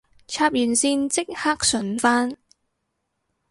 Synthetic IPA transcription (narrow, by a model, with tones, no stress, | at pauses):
t͡sʰaː˧p̚jyː˨˩nsiː˧nt͡sɪ˥k̚haː˥k̚sɵ˨˩nfaː˥n